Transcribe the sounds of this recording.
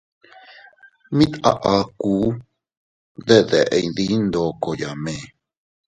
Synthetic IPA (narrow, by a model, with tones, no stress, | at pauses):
mĩ˦t̪a̰˧ʔa˧kuː˨˦ | ðe˦ðe˨ʔe˧jði˦nd̪o˧ko˨ja˨mẽ˨